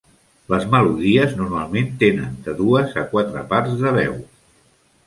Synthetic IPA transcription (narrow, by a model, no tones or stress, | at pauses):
ləzməluðiəznuɾmalˠment̪enə̰nd̪əðuəzəkwat̪ɾə̰paɾzðəβɛ̰w